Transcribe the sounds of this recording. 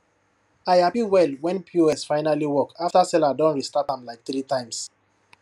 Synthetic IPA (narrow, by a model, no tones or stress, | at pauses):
aɪhapiwɛlwɛ̃npʰoɛsfaɪnaliwɔkaftasɛladɔ̃nɹistatãmlaɪk̚θɾitãɪ̃ms